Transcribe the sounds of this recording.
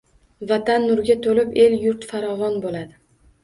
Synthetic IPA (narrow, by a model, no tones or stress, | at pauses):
vat̪ʰanːʊɾɡʲat̪ʰolɪpe̞ljʊɾt̪faɾɒvɒnbolad̪ɪ